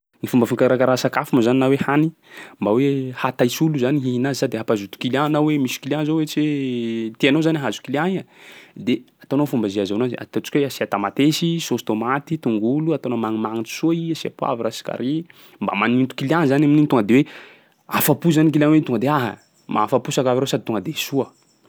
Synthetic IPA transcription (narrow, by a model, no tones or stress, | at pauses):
nifumbəfiŋkaɾakaɾasakafumazaninawehani | mbawehat̪ajsuluzaniɦiɦinazisad̪eapazut̪u̥kilanawemisi̥kilʲianzowet͡set̪ianozaniɦazu̥kiliaɲad̪eat̪onafumbaziazonaza̰t̪at͡ʃi̥kweasiat̪amat̪esisost̪omat̪it̪uŋɡuluat̪onamaŋimaŋit͡ʃu̥suaiəsia̰pwa̰viɾasi̥ka̰ɾi | mba̰manint̪u̥kilianzanamininit̪oŋɡəd̪ewe | afapuzanik̬ilanwet̪uŋɡəd̪eaɦa̰ | ma̰afapusakaviɾosad̪it̪oŋɡəd̪esuə